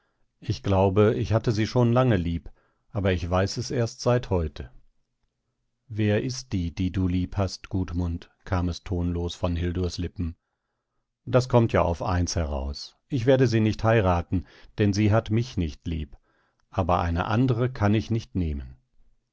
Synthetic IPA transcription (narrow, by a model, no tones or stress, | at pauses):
ʔɪçɡ̥laʊbəɪçhatəziːʃoːnlaŋəliːp | ʔaːbɐɪçv̥aɪsɛseːɐstz̥aɪthɔʏtʰə | veːɐʔɪst̚d̥iːd̥iːduːliːphastɡ̥uːtmʊntkʰaːmɛstʰoːnloːsfɔnɦɪlduɐslɪpm̩ | d̥askʰɔmtʰja̰ːʔa̰ʊfa̰ɪnshɛʁa̰ʊs | ʔɪçv̥eːɐdəziːnɪçthaɪʁaːtn̩ | d̥ɛnziːɦatmɪçnɪçtlḭːp | ʔaːbɐʔa̰ɪnə̰ʔa̰ndəʁəkʰanɪçnɪçtneːmən